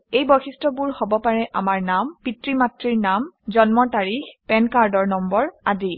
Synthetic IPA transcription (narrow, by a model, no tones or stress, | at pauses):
ejbɔxistɹɔbuɹhobɔpaɹɛʔamaɹnampitɹimatɹiɹnamzɔnmɔtaɹixpɛnkaɹdɔɹnɔmbɔɹadi